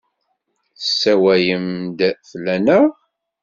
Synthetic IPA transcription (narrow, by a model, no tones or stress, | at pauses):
sːæwæjəmd̪θlænəʁ